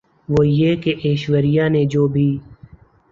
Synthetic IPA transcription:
ʋoːjeːkeʔeːʃʋəɾɪjaːnẽːd͡ʒoːbʱiː

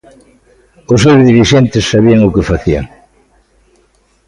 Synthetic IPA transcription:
osːewzðiɾiʃent̪ɪsːaβiaŋʊkefaθia̰ŋ

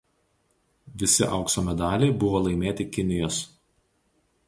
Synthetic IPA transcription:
ʋʲɪsʲɪ̰ʔɐʊksoːmʲɛd̪ɑːlʲeːbʊʋoːlˠɐɪmʲeːt̪ʲɪkʲɪnʲɪjoːs

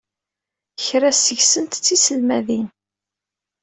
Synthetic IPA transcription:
çɾæsəʝsənt̪t͡sːisəlmæðin

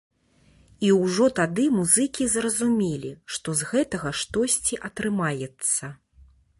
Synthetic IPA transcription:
iwʐɔt̪ad̪ɨmuzɨkʲizrɐzumʲɛlʲiʂt̪ɔzɣɛt̪ɐɣɐʂt̪ɔsʲt͡sʲiʔɐt̪ɾɨmajɛt̪sːɐ

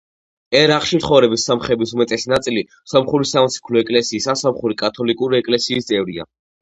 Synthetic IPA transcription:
ɛɾaχʼʃimt̪ʰχɔvɾɛbisːamχɛbisumɛt̪ʼɛsinat̪sʼili | sɔmχuɾisamsʰi̥kʰlɔɛkʼlɛsiːsasamχuɾikʼat̪ʰɔlikʼuɾiɛkʼlɛsiːst̪sʼɛvɾia̰

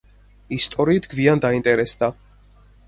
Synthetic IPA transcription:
ist̪ʼɔɾiːt̪ɡviand̪aint̪ʼɛɾɛsd̪a

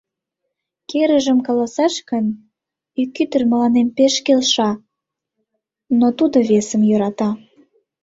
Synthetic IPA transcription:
keɾəʒəmkɑlɑsɑʃkən | ikːyt̪ərmə̆lɑnempeʃkelʃɑ | not̪ud̪oβesə̆mjøɾɑt̪ɑ

